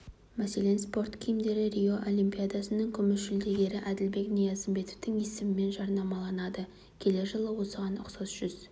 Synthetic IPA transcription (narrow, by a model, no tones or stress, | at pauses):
mæse̞le̞nspo̞rt̪kʲʰijɪmd̪e̞ɾɪɾʲijo̞ʔo̞lʲˠimpʲijad̪ɑsənəŋkʲʰʏmɪsʒʏld̪e̞ɡʲe̞ɾɪʔæd̪ɪlbe̞knijɑzəmbe̞t̪ovt̪ɪŋjesɪmɪme̞nʒɑɾnɑmɑlˠɑnɑd̪ə | kʲʰe̞le̞ʒəlˠəwo̞səʁɑnʊ̰qsɑzʒ̥ʏz̥